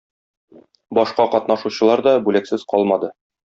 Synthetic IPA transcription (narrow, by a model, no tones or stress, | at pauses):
bɒʃqɑqɒt̪nɑʃuɕɤ̆lˠɑɾd̪ɒbʉlæksɘz̥qɒlˠmɑd̪ɤ